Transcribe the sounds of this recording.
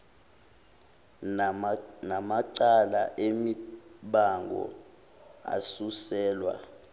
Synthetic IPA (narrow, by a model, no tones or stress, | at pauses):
namaǀalaʔemiɓaŋɡʱɔ̰ | a̰susɛːlwa̰